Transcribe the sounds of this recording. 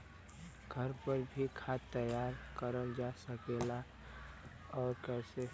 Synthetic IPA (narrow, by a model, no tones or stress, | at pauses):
ɡʱəɾpəɾbʱikʰaːt̪ːəjaːɾkəɾəld͡ʒasəkela | ɔːɾkɛːse